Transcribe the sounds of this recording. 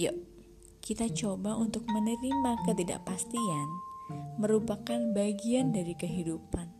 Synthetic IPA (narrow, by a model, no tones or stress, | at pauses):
ja̰ | kit̪at͡ʃobaʔunt̪ʊk̚mənəɾimakət̪ida̰ʔpast̪ianməɾupakanbaɡiandaɾikəɦidupan